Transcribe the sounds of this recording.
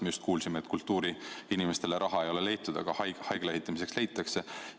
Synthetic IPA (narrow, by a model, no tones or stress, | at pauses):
meust̪kuːlsime̞ːt̪kult̪ːuːɾiinime̞st̪e̞le̞ɾʔɑɦɑejo̞le̞le̞jt̪ːˑud̪̥ɑ̰ɡ̥ɑhɑjhɑjɡ̥leɦit̪ːˑɑmis̬e̞ksle̞jt̪ːˑɑkse̞